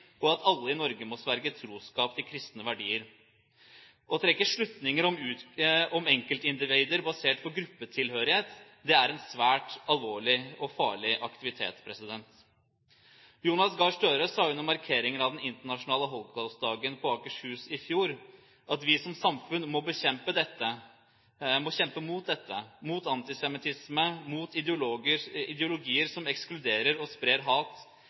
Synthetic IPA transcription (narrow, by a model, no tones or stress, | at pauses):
ɔɑt̪ʰɑlːəɪnɔɾɡəmɔsʋæɾɡət̪ʰɾuːskɑːpt̪ʰɪlkʰɾɪst̪nəʋæɖiːəɾ | ʔɔt̪ʰɾɛkːəʂɭʉt̪nɪŋəɾɔmʉːɔmɛŋkəlt̪ɪnd̪ɪʋeɪd̪əɾbɑseːʈpʰɔɡɾʉpːət̪ʰɪlhøːɾɪheːt̪ | d̪ɛæɾɛnsʋæːʈɑlʋoːɭɪɔfɑ̰ːɭɪʔɑkt̪ɪʋɪt̪ʰḛːt̪spʰɾɛsɪd̪ɛnt̪ | juːnɑsɡɑʂʈøːɾəsɑːɪnːɔmːɑɾkʰeːɾɪŋənɑʋd̪ɛnɪnt̪əɳɑʂʊnɑːləɦɔlɡɡɑlsd̪ɑːɡənpʰɔɑːkəʂhʉːsɪfjuːɾ | ʔɑt̪ʋɪsɔmsɑmfʉnmɔbəçɛmpəd̪ɛt̪ːə | mɔçɛmpəmuːt̪̚d̪ɛt̪ːəmuːt̪ɑnt̪ɪsɛmɪt̪ʰɪsməmuːt̪ɪʊəɪd̪ɛʊlʊɡiːəɾsɔmɛksklʉd̪eːɾəɾɔspɾeːɾɦɑːt̪